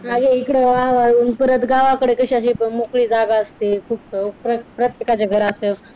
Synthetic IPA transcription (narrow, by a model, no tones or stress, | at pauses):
aɡeikɽeaəpəɾət̪ɡaʋakəɽekəɕiaɕiːəmokɭiːd͡zaɡaəst̪ikʰuːp̚pɾəpɾət̪jekat͡ɕaɡʱəɾase